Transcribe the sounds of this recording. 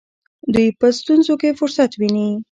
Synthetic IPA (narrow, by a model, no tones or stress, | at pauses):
d̪ujpəst̪unzokefʊɾsat̪wini